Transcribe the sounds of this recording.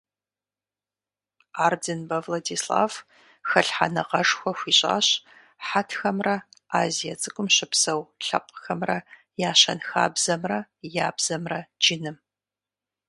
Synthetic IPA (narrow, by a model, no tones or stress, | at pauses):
aːrdɨnbɐvladiːsla̰ːv | xɐɬħa̰nɐqɐʂxʷɔxʷiːɕʼa̰ːɕ | ħatʰxɐmrɐaːzijɐt͡sʼɨkʷʼʊmɕɪpsɐwɬɐqʷʼxɐmrɐ | jaːɕɐnxa̰ːbz̥ɐmrɐjaːbz̥ɐmrɐd͡ʒɪnɨm